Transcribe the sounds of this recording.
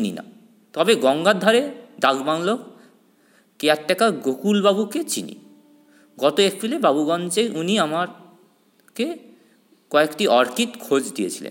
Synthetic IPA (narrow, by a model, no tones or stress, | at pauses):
inḭna̰ | t̪ɔbeɡɔŋɡad̪ʱːaɾed̪aɡbaŋlok | keak̚ʈːɛkaɡokulbabuket͡ɕinḭ | ɡɔt̪oek̚pɾilebabuɡɔnt͡ɕeʔuniamaɾ | ke | kɔekʈiɔɾkit̪kʰod͡ʑd̪ijet͡ɕʰilḛn